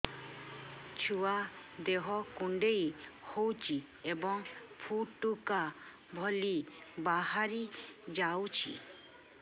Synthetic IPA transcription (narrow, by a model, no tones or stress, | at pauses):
t͡ʃʰuwad̪eɦɔkuɳɖejhowt͡ʃʰi | ebɔŋpʰuʈːuka | bʱɔlibaɦaɾid͡ʒawt͡ʃʰḭ